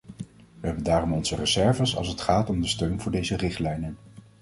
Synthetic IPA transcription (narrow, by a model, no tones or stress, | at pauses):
ʋəɦɛbəndaːrɔmɔnz̥ərəzɛɹvəsɑ̰lˠsətχaːtɔmdəstøɥnvʊːɹdejzərɪχtlɛjnən